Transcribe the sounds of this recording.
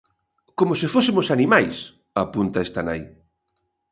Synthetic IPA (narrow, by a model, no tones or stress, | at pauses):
komʊsɪfosɪmʊsanimajs | apunt̪aest̪ana̰j